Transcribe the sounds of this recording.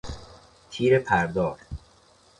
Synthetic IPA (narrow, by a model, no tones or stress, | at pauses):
t̪ʰiːɾepʰæɾd̪ɒːɾ